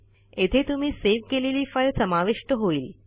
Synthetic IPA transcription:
et̪ʰet̪um̤iːseʋkeleliːfəɭsəmaʋeʂʈəɦoiːl

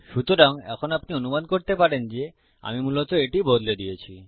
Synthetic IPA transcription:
ʃut̪oɾaŋɛ̰kʰonapnionumankoɾt̪epaɾend͡ʑe | a̰mimulot̪oeʈibod̪led̪ijet͡ɕʰi

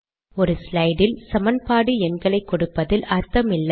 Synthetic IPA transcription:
ɔɾɯslɐɪɽɪlsɐmɐnpaːɽɯɛnɡɐɭɐɪkːɔɽɯpːɐðɪlʔɐɾt̪ːɐmɪlːɐ

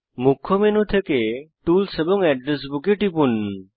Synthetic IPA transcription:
mukʰːomenut̪ʰekeʈulsebɔŋɛɖɾes̬bukeʈipun

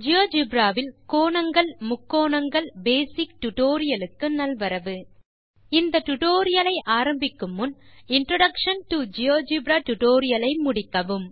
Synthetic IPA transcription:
d͡ʒɪjoːd͡ʒɪbɾaːʋɪlkoːɳɐŋɡɐɭmʊkːoːɳɐŋɡɐɭbeːsɪkʈʊʈoːɾɪjɐlɯkːɯnɐlʋɐɾɐʋɯ | ɪnd̪ɐʈʊʈoːɾɪjɐlɐɪʔaːɾɐmbɪkːɯmːʊnɪnʈɾoɽɐkʂɐnʈɯd͡ʒɪjoːd͡ʒɪbɾaːʈʊʈoːɾɪjɐlɐɪmʊɽɪkːɐʋɯm

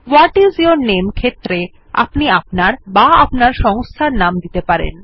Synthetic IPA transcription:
waʈizioɾnemkʰet̪ːɾe | a̰pniapnaɾbaapnaɾʃɔŋst̪ʰaɾnamd̪it̪epaɾḛn

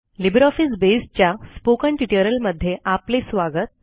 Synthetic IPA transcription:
libɾɔfisbest͡ɕjaspokə̃ɳʈiʈijəɾəlməd̪ʱːjeʔaplesʋaɡət̪̚

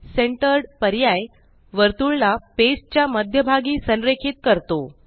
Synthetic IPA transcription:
seɳʈəɾɖpəɾjaj | ʋəɾt̪uɭlapest͡ɕjaməd̪ʱjəbʱaɡiːsənɾekʰiːt̪̚kəɾt̪o

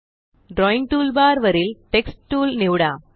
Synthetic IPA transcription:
ɖɾoiŋɡ̚ʈuːlbaːɾʋɐɾilʈeksʈʈuːlniʋɽaː

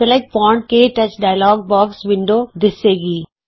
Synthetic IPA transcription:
ɛlɐk̚pɔ̃ːɳʈ̚keːʈɐt͡ʃɖaːɪlɔːɡ̚bɔːksʋɪ̃ɳɖoːd̪ɪseːɡiː

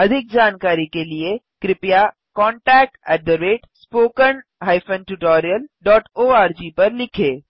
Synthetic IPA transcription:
ɐd̪ʱɪk̚d͡ʒaːnkaːɾikelie | kɾɪpja | kɔːɳʈɛːk̚ʈɛːɖ̚d̪əɾeːʈspoːkənɦaːɪfə̃nʈuʈɔːɾijəlɖɔːʈoːaːɾd͡ʒiːpɐɾlɪkʰeː

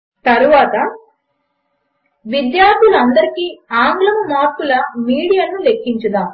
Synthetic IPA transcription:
t̪ɐɾuʋaːt̪ɐ | ʋid̪jaːɾd̪ʱuluɐnd̪ɐɾikiːaːŋɡlɐmmaːɾkulɐmiːɽijanːule̞kːiɲt͡ʃɐd̪aːm

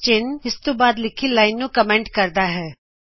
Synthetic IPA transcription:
t͡ʃɪnɪst̪õbaːd̪lɪkʰilaːɪnːũkɐmẽːɳʈkɐɾd̪aɦɛː

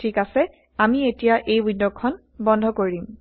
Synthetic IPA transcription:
tʰikasɛ | amietijaʔejwidɔkkʰːɔn | bɔndʱɔkoɹim

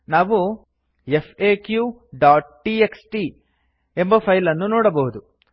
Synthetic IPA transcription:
naːʋu | epʰeːkjuː | ɖaːʈʈieksʈi | embɐpʰɐjlɐnːunɔːɽɐbɐɦud̪u

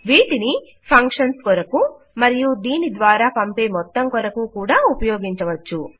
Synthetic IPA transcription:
ʋiːʈini | pʰɐŋkʂɐnskɔɾɐku | mɐɾijud̪iːnid̪ʋaːɾaːpɐmpeːmɔt̪ːɐmkɔɾɐkuːkuːɽaːupɐjoːɡiɲt͡ʃɐʋɐt͡ʃːu

